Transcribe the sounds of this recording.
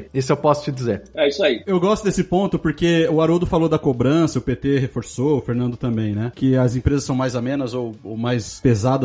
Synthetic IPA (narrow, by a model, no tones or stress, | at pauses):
isʊewpɔsʊ̥t͡ʃɪd͡ʒizeɾaisʊɐiewɡɔst̪ʊd̪esɪpõnt̪ʊpoɾkeʊaɾod̪ʊfalod̪ɐkobɾɐ̃sɐʊpet̪eɦefoɾsoʊfeɾnɐ̃nd̪ʊt̪ɐ̃mbẽj̃nɛkɪɐzẽpɾezɐsːɐ̃w̃majzamẽnɐzowomajspezad̪ɐ